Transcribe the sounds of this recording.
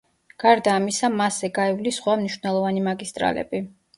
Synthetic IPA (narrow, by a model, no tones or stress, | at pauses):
ɡ̥aɾd̪aːmisamasɛɡaivlisχwamniʃv̥nɛlˠɔvanimaɡist̪ʼɾa̰lɛ̰bi